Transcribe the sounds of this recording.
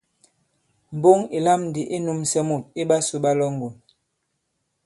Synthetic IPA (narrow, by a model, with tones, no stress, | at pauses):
m̩˨bo˦ŋi˨la˦mn˨di˨ʔe˦nu˦msɛ˦mu˨t̚e˦ɓa˦su˨ɓa˦lɔ˦ŋ˨ɡo˨n